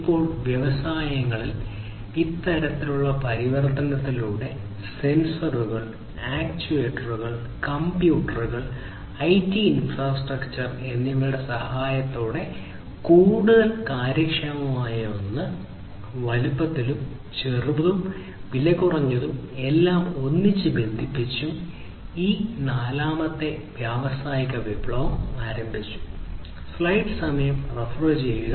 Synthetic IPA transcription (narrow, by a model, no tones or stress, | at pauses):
ipːo̞ːɭʋjeʋɐsaːjɐŋːɐɭil | it̪ːɐɾɐt̪ːiluɭːɐpɐɾiʋɐrt̪ɐnɐt̪ːiluːɽe̞ | se̞nsɐruɣɐɭ | aːkt͡ɕueːʈːɐruɣɐɭ | kɐmpjuːʈːɐruɣɐɭ | ɐjtːiːnfraːsʈrɐkt͡ɕɐre̞nːimːɐɭɽe̞sɐhaːjɐt̪ːoːɽe̞ | kuːɽuðɐlkaːɾjɐkʂɐmɐmaːjɐonːɨ | ʋɐlupːɐt̪ːilum | t͡ɕerʋɐðum | ʋilɐkːurɐɲːɐðume̞lːaːmo̞nːit͡ɕːɨbe̞nd̪ʱipːit͡ɕːu | iːnaːlaːmɐt̪ːe̞ʋjaːʋɐsaːjikːɐʋibɭɐʋɐmaːɾɐmbʱit͡ɕːu̥ | slɐjʈsɐmɐjɐmrefroːt͡ɕeju